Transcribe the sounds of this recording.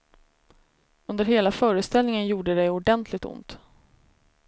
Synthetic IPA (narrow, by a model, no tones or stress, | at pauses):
ɵnd̪əɾɦeːlafœːɾəst̪ɛlnɪŋənjuːɖəd̪ɛjʊɖɛnt̪ʰlɪɡ̚t̪ʊ̰nt̪